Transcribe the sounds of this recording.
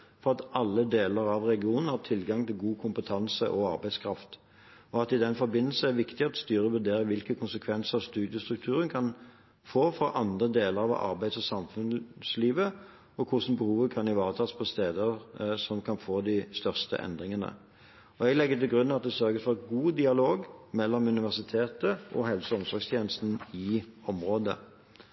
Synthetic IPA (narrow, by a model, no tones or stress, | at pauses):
fɔʁɑt̪ɑlːəd̪eːləɾɑʋɾɛɡɪuːnn̩hɑʁt̪ʰɪlɡɑŋt̪ɪlɡuːkʰʊmpət̪ʰɑnsə̰ʔɔɑ̰ɾbæɪskʰɾɑft̪ | ɔɑt̪ɪd̪ɛnfɔɾbɪnːəl̩sn̩æɾʋɪkt̪ɪɑt̪st̪yːɾəʋʉɾd̪eːɾəʋɪlkəkʰʊnsəkʰʋɛnsəst̪ʉːd̪ɪəst̪ɾʉk̚t̪ʰʉːɾənkʰɑn | foːfɔʔɑnd̪ʁəd̪eːləɾɑʋɑ̰ɾbæɪsɔsɑmfʉnsliːʋə | ɔkʰʊʂn̩bəhuːʋəkʰɑnɪʋɑːʁət̪ʰɑːspʰɔst̪eːd̪əʁsɔmkʰɑnfoːd̪ɪst̪œʁst̪ə̰ʔɛ̰nd̪ʁɪŋənə̰ | ɔɛɡlɛɡːət̪ʰɪlɡʁʉnːɑt̪̚d̪ɛsœʁɡəsfɔɡuːd̪ɪɑloːɡmɛlːɔmʉnɪʋæʁsɪt̪ʰeːt̪əʔɔɦɛlsəɔmsɔɾɡst̪ʰjeːnəst̪n̩ɪɔmʁoːd̪ə̰